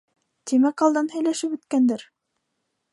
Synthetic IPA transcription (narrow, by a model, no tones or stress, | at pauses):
t̪imækɑlˠd̪ɑnhæjlæʃɘpʉ̆t̪kænd̪ɘɾ